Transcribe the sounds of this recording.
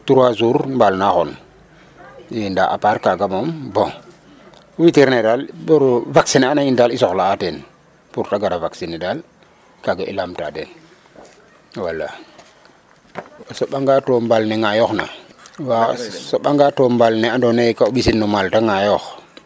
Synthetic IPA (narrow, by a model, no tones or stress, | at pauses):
tuɾwazuɾmbalnaxon | jindaʔa̰paɾkaɡamombõ | witiɾnedalboɾvaksinanajindalisoxlaːten | puɾtaɡaɾavaksinedal | kaɡaʔḭlamta̰dḛn | walːa̰ | soɓaŋɡatombalneŋajoxna̰wasoɓaŋɡatombalneandonekauɓisinːomaltaŋajox